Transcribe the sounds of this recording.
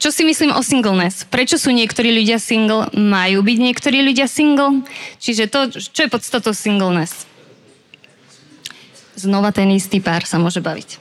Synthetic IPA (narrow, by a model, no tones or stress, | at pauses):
t͡ʃɔsimisliːmʔɔsiŋɡl̩nɛspɾɛt͡ʃɔsuːɲɪɛkt̪ɔɾiːʎuɟɪasiŋɡl̩ˠmajuːbiɟɲɪɛkt̪ɔɾiːʎuɟɪasiŋɡl̩t͡ʃiʒɛt̪ɔt͡ʃɔjɛpɔt̪st̪at̪ɔʊsiŋɡl̩nɛs | znɔʋat̪ɛnist̪iːpaːɾsamʊɔʒɛbaʋḭc